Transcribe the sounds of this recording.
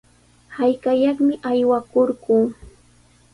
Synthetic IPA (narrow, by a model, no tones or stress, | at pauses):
hajkajɑχmɪʔajwakoɾɢuː